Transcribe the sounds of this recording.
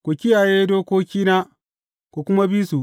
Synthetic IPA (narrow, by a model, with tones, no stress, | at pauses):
kʷu˨kʲɪ˦jaː˨jeː˦doː˦koː˦kʲiː˦na˦ | kʷu˨kʷʊ˦ma˦biː˦su˨